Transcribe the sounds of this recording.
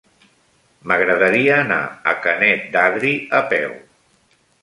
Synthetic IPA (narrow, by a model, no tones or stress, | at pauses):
məɣɾəðəɾiəːna̰ə̰kənɛt̪̚d̪aðɾiəpɛ̰w